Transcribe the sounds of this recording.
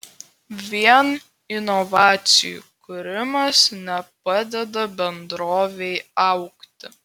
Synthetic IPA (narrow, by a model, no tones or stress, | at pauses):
ʋʲiɛn | ɪnɔʋɑːt̪sʲɪjṵkʊɾʲɪmɐsnʲɛpɐd̪ʲɛd̪ɐbʲɛnd̪ɾoːʋʲɛɪɐʊkt̪ʲɪ